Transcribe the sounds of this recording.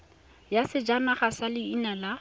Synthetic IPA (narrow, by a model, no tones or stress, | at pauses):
jasɪd͡ʒanaχasalɪinala